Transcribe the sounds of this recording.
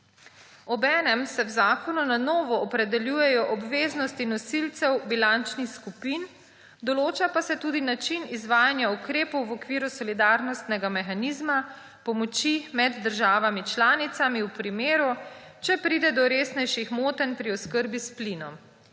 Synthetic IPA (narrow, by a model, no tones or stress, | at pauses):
ɔbɛːnɛmsɛwzaːkɔnunanɔːʋɔɔpɾɛd̪ɛljuːjɛjɔʔɔbʋeːznɔst̪inɔsilt̪sɛwbilant͡ʃnixskupin | d̪ɔloːt͡ʃapasɛt̪uːd̪inat͡ʃinizʋaːjanjaukɾeːpɔwʋɔkʋiːɾusɔlid̪aːɾnɔst̪nɛɡamɛxaniːzma | pɔmɔt͡ʃimɛd̪ːəɾʒaːʋamit͡ʃlaːnit̪samiwpɾimeːɾu | t͡ʃɛpɾid̪ɛd̪ɔɾeːsnɛjʃixmoːt̪ɛnpɾiɔskəɾbisplinɔm